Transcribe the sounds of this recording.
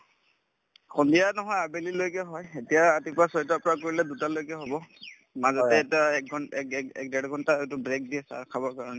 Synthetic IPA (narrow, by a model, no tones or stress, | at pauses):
xʰondijanɔɦɔjabelilojkaɦɔjetijaːtipasɔjtapɔɹakoɹilɛdutalojkaɦobɔ | mazɔtɛtɛk̚ɡʱɔnkɛ̰k̚dɛɹiɡʱɔntaetʊbɹek̚diɛsa̰ɹkʰabɔɹkaɹɔnɛ